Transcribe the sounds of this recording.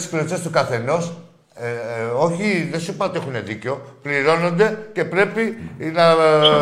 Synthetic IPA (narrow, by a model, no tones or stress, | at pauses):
isklot͡sest̪ukɐθe̞no̞s | o̞çiðesupɐt̪exune̞ðiceo̞pliɾo̞no̞nd̪e̞ce̞pɾe̞pinɐ